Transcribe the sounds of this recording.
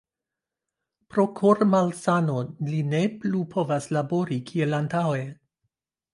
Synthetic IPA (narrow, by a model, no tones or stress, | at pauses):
pɾokʰoɾmalsanoline̞plupʰo̞vaslaboɾikʰielantawe̞